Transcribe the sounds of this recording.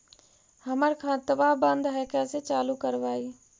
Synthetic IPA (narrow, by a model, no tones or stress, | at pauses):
həməɾkʰãt̪əʋabənd̪ɦɛkɛset͡ʃaːlukəɾʋaːi